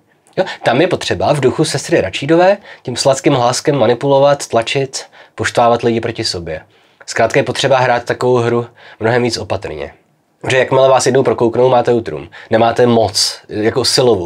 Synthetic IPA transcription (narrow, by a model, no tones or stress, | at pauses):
jo̞t̪amjɛpo̞t̪r̝̥ɛbavduxusɛst̪ɾɪɾat͡ʃiːdovɛːcɛmslatkɪmɦlaːskɛmːanɪpulo̞vat̪ːlat͡ʃɪt̪po̞ʃt̪vaːvat̪lɪɟɪpɾo̞cɪso̞bjɛ | skɾaːt̪kajɛpo̞t̪r̥ɛbaɦɾaːt̪ːakovo̞wɦɾumno̞ɦɛmviːt͡sʔo̞pat̪r̩ɲɛ̰ | pʒɛjakmɪlɛvaːsjɛdnowpɾo̞kowknowmaːt̪ɛuːt̪ɾṵːmnɛmaːt̪ɛmo̞t͡sjakosɪlovo